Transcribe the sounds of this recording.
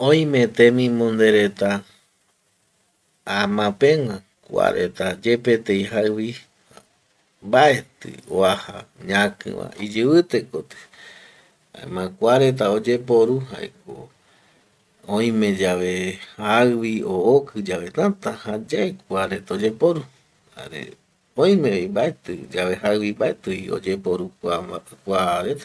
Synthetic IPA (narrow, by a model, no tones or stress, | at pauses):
õj̃met̪ẽmĩmõnd̪eɾet̪a | amãpẽ̞wã | kʷa̰ɾʔḛt̪ad͡ʒe̞pe̞t̪ejɦaɨwi | mbaet̪ɨ̰o̰aha̰ɲãkɨ̰̃wã̰id͡ʒɨβɨt̪ekot̪ɨ̥ | ha̰ḛmãkʷaɾe̞t̪aod͡ʒep̬oɾuɦa̰ḛko̰ | õj̃mẽd͡ʒaβehaɨβiookʰɨd͡ʒaʋe̞t̪ãt̪ãhad͡ʒaekʷaɾe̞t̪aod͡ʒe̞poɾu | ha̰ɾḛ | õj̃mẽimbae̞t̪ɨ̰d͡ʒaβe̞ɦaɨwimbaet̪ɨio̰d͡ʒepoɾukʷakʷaɾet̪a